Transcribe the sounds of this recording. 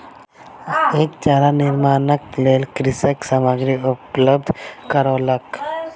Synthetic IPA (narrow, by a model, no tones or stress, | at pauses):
eːk̚t͡ʃaːɾanɪɾmaːnək̚pleːlkɾɪsəksamaɡɾiʊpləb̚d̪ʱkəɾoːlək